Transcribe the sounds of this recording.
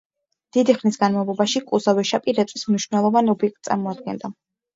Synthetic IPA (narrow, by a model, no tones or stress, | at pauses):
d̪̥id̪iχnisɡanmavlˠɔbaʃikʼuzavɛʃapʼiɾɛt̪sʼismniʃvnɛlˠɔvanɔbiɛk̚t̪̚ʼsʼa̰ɾmɔad̪̚ɡɛ̰nd̪a